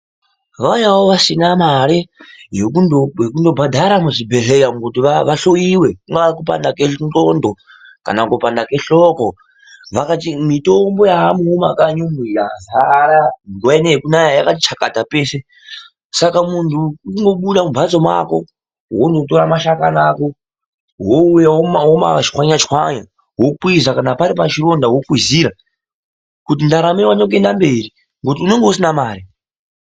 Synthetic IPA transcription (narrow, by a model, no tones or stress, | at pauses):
ʋajawoʋasinamaɾejekuoekundo̞bʱadʱaɾamuʐibʱe̞ɮejamukutiʋaʋaɬojiwe̞kuŋɡaʋarikupa̰ndaketondo | ka̰nakopandake̞ɬoko | ʋakatimitombo̞jaɦamuɦumakaɲumiɮazaɾamuɡweneekunajajakati̥t͡ʃʰakatapese | sakamuntʰuuiŋɡo̞ɓuɗamubʱat͡somwa̰ko̞̰ | wondo̞to̞ɾamaʃakanaːko̞ | ɦoujaoɦoma̰t͡ʃi̥xwaɲat͡ʃi̥xwaɲa | wokwizakanapaɾipat͡ʃiɾo̞ndaɦokiziɾa | kut̬indaɾamerwaɲak̬e̞ndambe̞ri | ŋɡo̞t̬iune̞ŋɡeusinamaːri